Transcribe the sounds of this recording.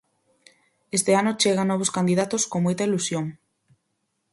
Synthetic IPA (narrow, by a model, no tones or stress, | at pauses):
est̪eanʊt͡ʃeɣanɔβ̞oskand̪iðat̪oskoŋmojt̪ɐilusjoŋ